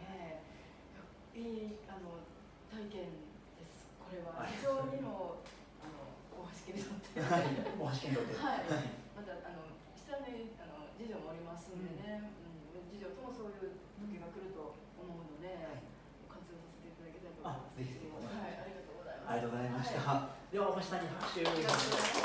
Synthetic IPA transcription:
ne | ja | iːano̞ | t̪aikẽ̞n | d̪̥e̞sɨ̥ko̞ɾe̞βahiʑo̞ːɲ̟imoː | ano̞̰koːɦãɕi̥kʲiɾʲit̪ot̪ʰːeakoãɕi̥kiɾʲsoehaimat̪aano̞ | ɕi̥t̪ameano̞d͡ʑiʑo̞ːmoːɾʲimasɨ̃nd̪e̞ne̞ɯ̟̃ɴmd͡ʑiʑo̞ːt̪o̞mo̞so̞ːjɯ̟ːt̪o̞kʲiɡakɯ̟ɾɯ̟t̪o̞ː | mo̞ɯ̃no̞d̪e̞ | nokãnt͡sɨoːsase̞t̪e̞it̪ad̪ake̞t̪aɾit̪oimaszeçieaiaɾʲiɡat̪o̞ːɡo̞zaimaaɾiat̪oozaimaɕi̥t̪ad̪e̞βamõɕi̥saɲ̟ihakɯ̥ɕɨːoiɡ̪ase

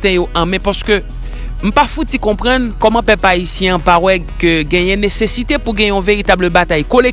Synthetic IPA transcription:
t̪ɛ̃joʔɐ̃mɛ̃paʁskø | m̩pafut̪ikɔ̃pʁʌ̃nkɔmãpɛpaisjɛ̃ãpawɛkøɡɛ̃jɛ̃nesesit̪epuɡɛ̃jɛ̃ɔ̃veʁit̪abləbat̪ajkole

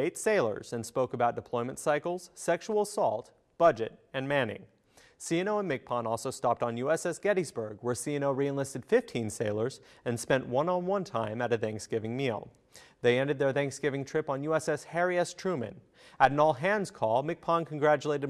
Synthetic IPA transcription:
eɪtseɪlˠə̰˞z̥ɨ̃nspoʊkəbaʊt̚d̥ɨpʰl̥ɔ̃ɪ̃mɨ̃ntsaɪkl̩ˠz̥sɛkʃul̩ˠsɔlˠt | b̥ʌd͡ʒɨ̰ɾɨ̃nmæ̃nɪ̰̃ŋ | siɨnoʊə̃nmɪk̚pʰɑ̃nɔlˠsoʊstɑp̚tn̩jʉɛsɛsɡ̥ɛɾizbə˞ɡwə˞siɨnoʊɹiɨ̃nlɪstɨd̥fɪftʰĩnseɪlˠə˞z | ɨ̃nspɛ̃nʔwʌ̃nə̃nwʌ̃ntʰãɪ̃mɨɾɨθæ̃ŋksɡ̥ɪvɪ̃ŋmilˠ | ðeɪɛ̃ndɨd̪̚ðə˞θæ̃ŋksɡ̥ɪvɪ̃ŋtʰɹ̥ɪpn̩jʉɛsɛshɛɹiɨstʰɹ̥ʉmɨ̰̃n | ɨɾnɔlˠɦæ̃nz̥kʰɔlˠmɪk̚pʰɑ̃nkʰn̩ɡɹæt͡ʃəleɪɾɨd̚

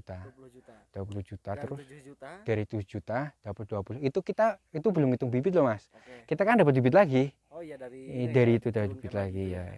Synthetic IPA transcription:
t̪ad̥uapuluhd͡ʒ̥ut̪at̪əɾʊsd̥aɾit̪u̥d͡ʒut̪ad̥apət̪̚d̥uapulʊhit̪ukit̪ait̪ubulʊmŋit̪ʊŋbibɪt̪̚lɔhmas | kit̪akandap̬ət̪̚bibɪt̪laɡi | daɾiːt̪udapət̪bibɪt̪laɡija

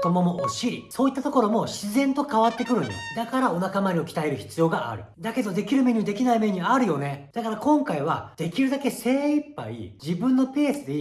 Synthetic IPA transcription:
t̪omomoʔoɕiɾʲiso̞ːit̪ːat̪o̞ko̞ɾo̞mo̞ɕizẽ̞nt̪o̞kaβat̪ːe̞kɯ̟ɾɯ̟ned̪akaɾao̞nakamaɾʲio̞kʲi̥t̪aeɾɯ̟çi̥t͡sɨjo̞ːɡaʔa̰ɾɯ̟̰d̪ake̞d̪o̞d̪e̞kʲiɾɯ̟meɲ̟id̪e̞kʲinaime̞ɲ̟iaɾɯ̟jo̞ne̞d̪̥akaɾakõ̞ŋkaiβa̰d̪̥e̞kʲiɾɯ̟d̪ake̞se̞ːipːa̰ḭd͡ʑibɯ̟̃nːo̞pe̞ːsɨi

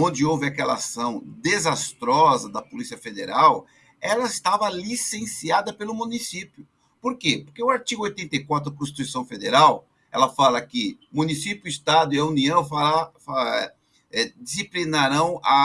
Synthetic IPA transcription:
õnd͡ʒɪowvɪɐkɛlɐasɐ̃w̃d̪ezast̪ɾɔzɐd̪ɐpolisiɐfed̪eɾaw | ɛlɐɪst̪avɐlisẽsiad̪ɐpelʊmũnisipjʊ | poɾkepoɾkeʊaɾt͡ʃiɡʊojt̪ẽnt̪ejkwat̪ɾʊkõsʃt̪i̥t̪uisɐ̃w̃fed̪eɾaw | ɛ̰lɐfalɐkɪ | mũnisipjʊist̪ad̪ʊiɐuniɐ̃w̃faafaɛ | ɛd͡ʒisiplinaɾɐ̃w̃ɐ

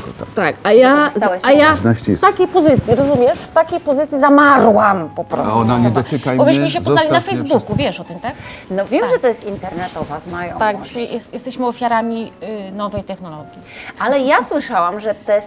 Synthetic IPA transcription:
t̪akajaawaajanaɕft̪akʲejpɔzɘt̪sʲjiɾɔzumʲjɛʂft̪akʲejpɔzɘt̪sʲjizamaɾwampɔpɾɔ̰ɔnaɲɛd̪ɔt̪ɘkajbɔbɘɕməɕ̬ɛpɔzalinafɛjzbukuvʲjɛʂɔt̪ɨmt̪aknɔvʲjɛmʐɛt̪ɔjɛst̪int̪ɛɾnɛt̪ɔvazmajt̪akbɔʂjʔɛst̪jɛst̪ɛɕmɘɔfʲjaɾamʲinɔvɛjt̪ɛxnɔlɔɡʲjialɛjaswɘʂawamʐɛt̪ɔs

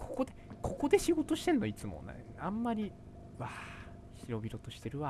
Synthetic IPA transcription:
kʰo̥ko̞d̪ekʰo̞ko̞d̪e̞ɕiɡo̞t̪o̞ɕi̥t̪e̞nːoit͡sɨmo̰na̰iãmːaɾʲi | βa | çiɾo̞bʲiɾo̞t̪o̞ɕi̥t̪e̞ɾɯ̟βa

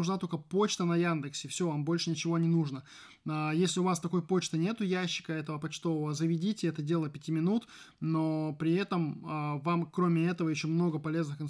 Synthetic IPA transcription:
ʊʐnat̪o̞lʲkəpo̞t͡ɕt̪ənɐjand̪ɨksʲɪfsʲo̞vambo̞lʲʂɨnʲɪt͡ɕɪvo̞nʲɪnuʐnə | ajesʲlʲɪʊvast̪ɐko̞jpo̞t͡ɕt̪ɨnʲe̞t̪ʊjæɕːɪ̥kəɛt̪əvəpɐt͡ɕt̪o̞vəvəzəvʲɪdʲitʲɪɛt̪ədʲe̞lˠəpʲɪtʲimʲɪnut̪ | no̞pɾʲɪɛt̪əməvamkɾomʲɪɛt̪əvəjɪɕːomno̞ɡəpɐlʲe̞znɨxɪn

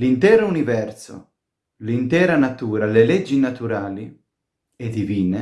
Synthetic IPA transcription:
lint̪ɛːɾounivɛrso̰ | lint̪ɛːɾanat̪uːɾaleled͡ʒːinat̪uɾaːli | ed̪iviːne

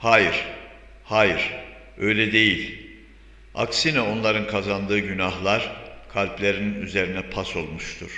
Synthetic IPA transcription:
haːjiɾ̥ | haːjiɾ̥ | ø̞jlʲɛd̪e̞jilʲ | a̰ksinɛo̞nlˠaɾɯnkʰazand̪ɯːɟynahlˠaɾ̥kʰalʲplʲe̞ɾininyze̞ɾinɛpʰaso̞lˠmuʃt̪ʰuɾ̥

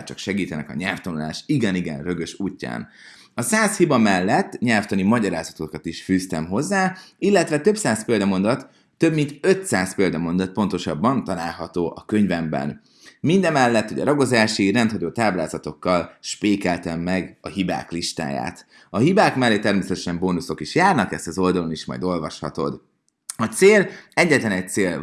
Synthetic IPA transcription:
t͡ʃɒkʃɛɡiːt̪ɛnɛkɒ̰ɲɛlft̪ɒnula̰ːʃiɡɛniɡɛ̰nrø̞ɡø̞ʃuːcːa̰ːn | ɒsaːshibɒmɛlːɛt̪ːɲɛlft̪ɒnimɒɟɒɾaːzɒt̪o̞kɒt̪iʃfyːst̪ɛmɦo̞zːaːilːɛt̪vɛt̪ø̞psaːspeːld̪ɒmo̞nd̪ɒt̪ː | ø̞bmint̪ø̞t̪saːspeːld̪ɒmo̞nd̪ɒt̪̚po̞nt̪oʃɒbːɒnt̪ɒlaːlɦɒt̪oːʔɒkø̞ɲvɛmbɛ̰n | mind̪ɛmɛlːɛt̪hoɟɒ̰ɾɒɡo̞zaːʃirɛnt̪hɒɟoːt̪aːblaːzɒt̪o̞kːɒlʃpeːkɛlt̪ɛmːɛɡɒɦiba̰ːkliʃt̪a̰ːja̰ːt̪ | ɒɦibaːkmɛlːeːt̪ːɛrmeːsɛt̪ɛ̥ʃɛmboːnuso̞kiʃjaːrnɒkɛst̪ɒzo̞ld̪ɒlo̞niʃmɒ̰jd̪o̞lvɒʃhɒ̰t̪o̞̰d̪ | ɒt̪seːlɛɟːɛt̪lɛnɛc̚t̪seːl

